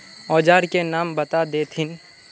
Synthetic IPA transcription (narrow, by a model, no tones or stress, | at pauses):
ɔːd͡ʒaːɾkenaːmbɐt̪ad̪eːt̪ʰɪn